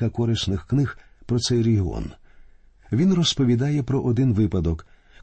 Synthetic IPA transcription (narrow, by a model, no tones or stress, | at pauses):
ɐkɔɾɪsnɪxknɪxpɾɔt̪sɛjɾeɦɪɔ̰n | ʋʲinrɔspɔʋʲid̪ɑjɛpɾɔʔɔd̪ɪnʋɪpɐd̪ɔk